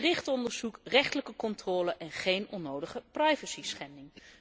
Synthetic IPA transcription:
rɪχtɔndəɹz̥ukrɛχtələkəkɔntrɔːləʔɛnχejnɔnːowdəχəprajvəsisχɛndɪŋ

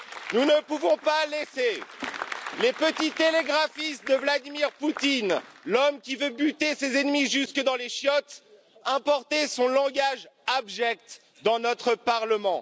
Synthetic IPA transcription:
nunəpuvɔ̃palese | lepət̪it̪eleɡʁafisd̪əvlad̪imiʁput̪inlɔmkʲivøbyt̪esezɛnmiʒyskəd̪ɑ̃leʃjɔt̪ | ɛ̃pɔʁt̪esɔ̃lɑ̃ɡaʒabʒɛk̚t̪ | d̪ɑ̃nɔt̪χəpaʁləmɑ̃

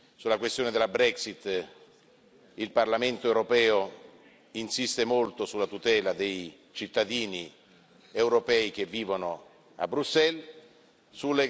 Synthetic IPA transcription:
sulakwest̪joːned̪elːabɾɛksit̪ː | ilparlament̪oewɾopɛːo | insist̪emolt̪osulːat̪ut̪ɛːlad̪ej | t͡ʃit̪ːad̪iːni | ewɾopɛːikevːiːvono | a̰bːɾusɛl | sulːe

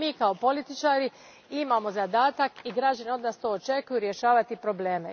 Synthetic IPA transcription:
iːkao̞po̞lit̪it͡ʃaːɾi | imaːmo̞zad̪aːt̪akiɡɾaːd͡ʑaneo̞d̪naːst̪o̞ːt͡ʃe̞kujuɾje̞ʃaːʋat̪ipɾo̞bleːme

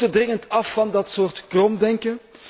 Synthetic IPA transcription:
tədrɪŋəntɑfːɑndɑtsoːrtkrɔmdɛŋkə

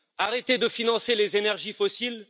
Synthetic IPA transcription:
aʁet̪ed̪əfinɑ̃selezenɛʁʒifɔsil

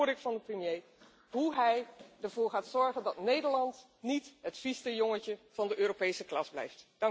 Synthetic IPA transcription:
ɹdɪkfɑndəprəmjej | ɦuɦɛjəɹv̥ʊːɹχaːtsɔɹχəndɑtnejdəɹlɑnt | nitɦətfistəjɔŋəcəv̥ɑndəʔøːropejsəklɑsblɛ̰jftd̥ɑŋ

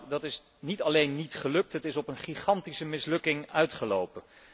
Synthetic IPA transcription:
dɑtɪs | nitɑlejnːitχəlɵk̚tɦətɪsɔpənχiχɑntisəmɪslɵkɪŋœɥtχəlowpən

